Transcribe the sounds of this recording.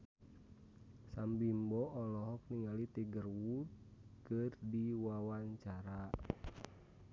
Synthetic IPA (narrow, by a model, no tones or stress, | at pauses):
sambimbɔʔɔlɔɦɔk̚niŋalit̪iɡərwud̪̚kɨrdiwawaɲt͡ʃaɾa